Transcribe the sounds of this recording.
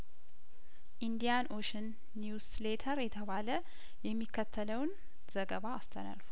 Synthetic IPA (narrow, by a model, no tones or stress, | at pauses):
ʔind̪ijanʔoʃənː | juslet̪ʰəɾjɛt̪ʰəβalə | jɛmːikʰːət̪ʰːələwn | zəɡəβaːst̪ʰəna̰lfu